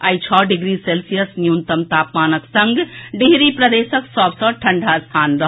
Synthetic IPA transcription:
ajt͡ʃʰɔːɖiɡɾiselsijəsnjunt̪əmt̪aːpmaːnəksɐ̃ŋɡɖiɦɾipɾɐd̪eːsəksɔbsɔ̃ʈʰɐ̃ɳɖʱast̪ʰaːnɾəɦ

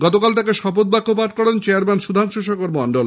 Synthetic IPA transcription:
ɡɔt̪okalt̪akeʃɔpot̪̚bakʰːopaʈ̚kɔɽent͡ɕeaɾmɛnʃud̪ʱaŋʃoʃ̬okoɾmɔɳɖol

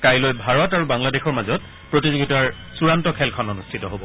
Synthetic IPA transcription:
kajlojbʱaɹɔtaɹubaŋladexɔɹmazɔt̚ | pɹotizoɡitaɹ | suɹantɔkʰɛlkʰɔnonustʰitɔɦobɔ

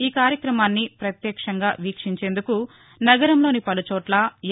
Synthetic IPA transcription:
iːkaːɾjɐkɾɐmaːnːipɾɐt̪jɛːkʂɐŋɡaːʋiːkʂiɲt͡ʃe̞ːnd̪uku | nɐɡɐɾɐmlo̞ːnipɐlut͡ʃɔːʈlɐ

